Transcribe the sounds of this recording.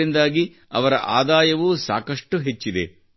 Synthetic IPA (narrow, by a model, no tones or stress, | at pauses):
ind̪aːɡi | ɐ̰ʋɐɾɐ̰ʔaːd̪aːjɐʋusa̰ːkɐʂʈuɦet͡ʃːid̪e